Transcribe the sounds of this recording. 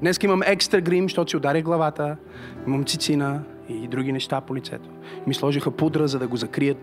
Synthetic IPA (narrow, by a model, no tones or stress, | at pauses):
d̪nɛskəiməmɛkst̪ɾɐɡɾimʃt̪ɔt̪ʊ̥siod̪aɾʲəɣɡlˠɐvat̪ə | iməmt̪sit̪sinə | id̪ɾuɡʲinɛʃt̪apolit̪sɛ̰t̪o̥ | mislˠɔʒixəpud̪ɾəzɐd̪ɐɡozɐkɾijət̪